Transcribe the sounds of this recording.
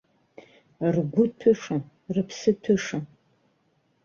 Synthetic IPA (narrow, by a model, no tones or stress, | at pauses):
rɡʷʊtʰɨʂɨ | rɨpʰsɨtʰɨʂɨn